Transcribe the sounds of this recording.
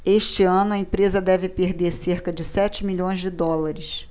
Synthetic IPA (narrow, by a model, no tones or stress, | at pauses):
eʃt͡ʃɪɐ̃nʊɐẽpɾezɐd̪ɛvɪpeɾd̪eɾseɾkɐd͡ʒɪsɛt͡ʃɪmiʎõj̃zd͡ʒɪd̪ɔlɐɾɪs